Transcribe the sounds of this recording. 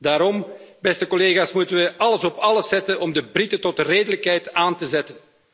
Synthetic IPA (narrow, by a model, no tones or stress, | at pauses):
daːɾɔm | bɛstəkɔleːɣaːsmutənʋəɑləsɔpɑləsɛtənʔɔmdəbritətɔtreːdələkɦɛjtaːntəzɛtən